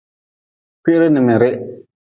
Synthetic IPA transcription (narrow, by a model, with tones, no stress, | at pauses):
pɪ˦ʔɾɪ˦nɪ˨mɪ˨ɾɪ˦